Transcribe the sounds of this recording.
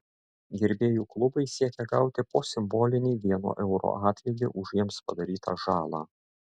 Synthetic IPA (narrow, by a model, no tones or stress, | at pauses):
ɡʲɪɾʲbʲeːjuːklˠʊbɐɪsʲiɛkʲɛɡɑˑʊt̪ʲɪpoːsʲɪmboːlʲɪnʲɛːʋʲiɛno̰ːʔɛʊɾo̰ːɑːt̪ʲʋʲɛd̪ʲɪʔʊʒjiɛmspɐd̪ɐɾʲiːt̪ɑ̰ʒɑːlˠɑ̰ː